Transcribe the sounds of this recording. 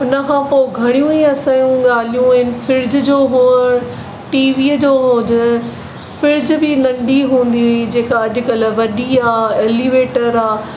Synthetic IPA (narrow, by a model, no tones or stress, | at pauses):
ʊnəkʰãːpoːɪɡʱɐɽ̃ijũiɐsãːjũɠaːl̤ijũɦɪnɪ̆fɪɾd͡ʑd͡ʑoːɦuːəɽ̃ | ʈiːʋiːd͡ʑoːɦoːd͡ʑə | fɪɾd͡ʑbɪnɐ̃ɳɖiɦũːn̆d̪iʊid͡ʑeːkaɐʄʊ̆kɐlʋɐɗiaːeːliːʋeːʈəɾaː